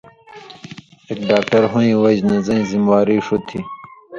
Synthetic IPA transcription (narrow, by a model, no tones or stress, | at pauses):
ekɖaːk̚ʈɐɾɦõĩːwɐd͡ʑnɐzɐ̃ĩzimwaːɾiʂut̪ʰi